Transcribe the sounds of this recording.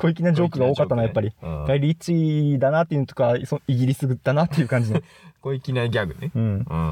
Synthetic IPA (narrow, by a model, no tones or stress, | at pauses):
koikʲinad͡ʑo̞ːkɯ̟ɡao̞ːkat̪ːanojapːaɾʲiɡ̪̥aiɾʲit͡ɕid̪anat̪ːe̞iɯ̟not̪okasoiɡʲiɾʲisɨɡɯd̪̥anat̪ːe̞jɯ̟kãɲ̟d͡ʑin | koikʲinaɡʲaɡɯ̟̰neɯ̟̃ɴɯ̃